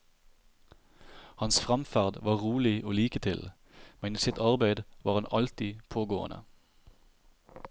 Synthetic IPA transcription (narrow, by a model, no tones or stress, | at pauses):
hɑnsfʁɑmfæʁd̪ʋɑːʁuːlɪʔoːliːkət̪ʰɪl | mɛniːsɪt̪ɑʁbæɪd̪ʋɑːʁhɑnʔɑlt̪ɪpʰoːɡo̰ːə̰nə̰